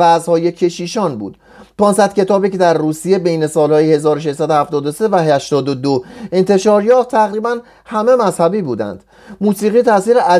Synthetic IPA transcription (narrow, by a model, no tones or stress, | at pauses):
æzhɒːje̞cʰe̞ʃiːʃɒːnbṵːd̪̥ | pʰɒːnsæd̪̥̚cʰe̞t̪ʰɒːbiːce̞d̪æɾruːsije̞bejne̞sɒːlhɒːjehe̞zɒːɾoʃ̬eʃsæd̪ohæft̪ɒːd̪o̞se̞væɦæʃt̪ɒːd̪od̪oe̞nt̪ʰe̞ʃɒːɾjɒːft̪ʰːæɣɾiːbæn | hæme̞mæzhæbiːbuːd̪æ̰nd̪̥ | muːsiːɣiːt̪ʰæsiːɾeʔæ